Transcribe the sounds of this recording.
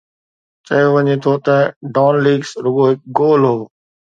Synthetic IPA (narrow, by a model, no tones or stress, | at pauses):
t͡ʃɐjoʋɐɲet̪ʰot̪ɐɖaːnliːɡsɾʊɠoɦɪk̚ɡoːlɦoː